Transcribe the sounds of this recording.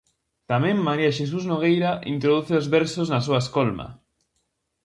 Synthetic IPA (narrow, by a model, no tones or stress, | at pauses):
t̪amẽmmːaɾiaʃes̬uznoɣ̞ejɾaʔḭnt̪ɾoðuθeozβɛɾsoznasuaskolma̰